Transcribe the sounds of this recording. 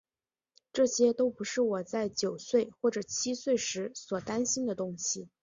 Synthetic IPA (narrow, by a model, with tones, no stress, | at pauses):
ʈ͡ʂɤ˥˩ɕjɛ˥t̪o˥ʊpu˧˥ʂɻ̩˥˩wɔ˨˩t͡sa˥˩ɪt͡ɕjo˨˩ʊswe˥˩ɪxwɔ˥˩ʈ͡ʂɤ˨˩t͡ɕʰi˥swe˥˩ɪʂɻ̩˧˥swɔ˨˩t̪a˥nɕi˥nd̪ə˨t̪ʊ˥ŋɕi˨˩